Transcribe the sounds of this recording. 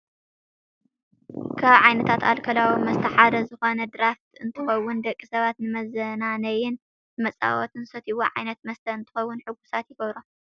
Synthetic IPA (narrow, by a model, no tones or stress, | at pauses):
kʰaβʕajnɐt̪ʰat̪ʰalkʰɐlawimɐst̪ʰɐħad̪ɐzɨxo̞nɐd̪ɾaft̪ɨnt̪ʰɨxɐwːʊnd̪ɐkʼːisɐβat̪nɨmɐzɐnanɐjɪn | nɨmɐt͡sʼa̰wɔt̪ʰɨnsɐt̪ʰiwoʕa̰jnɐt̪mɐst̪ʰɐɨnt̪ʰɨ̥xɐwːʊnħɨɡusat̪jɪɡɐβɾo